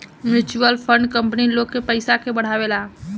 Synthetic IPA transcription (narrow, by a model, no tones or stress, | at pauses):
mɪt͡ʃuəlpʰə̃ɳɖkə̃mpnilokːepəɪsakʰebəɽ̤aʋela